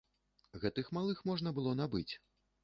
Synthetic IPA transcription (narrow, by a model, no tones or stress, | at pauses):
ɣɛt̪ɨxmalˠɨxmɔʐnɐbɨlˠɔnabɨt͡sʲ